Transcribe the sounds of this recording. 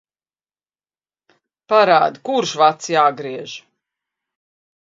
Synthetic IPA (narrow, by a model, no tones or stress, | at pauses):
paɾa̰ːd̪ikuɾʃvat̪sjaːɡɾiɛʒ